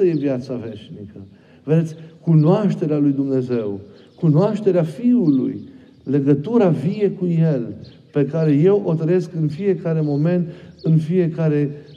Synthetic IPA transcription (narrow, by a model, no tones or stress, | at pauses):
əje̞vjat̪save̞ʃnikə | ve̞d̪et̪sʲkunoaʃt̪e̞ɾealujd̪umne̞ze̞w | kunoaʃt̪e̞ɾeafiulṵj | le̞ɡət̪uɾavie̞kuje̞l | pe̞kaɾe̞je̞wʔo̞t̪ɾəjeskɨnfie̞kaɾe̞mo̞me̞nt̪ɨnfie̞kaɾe̞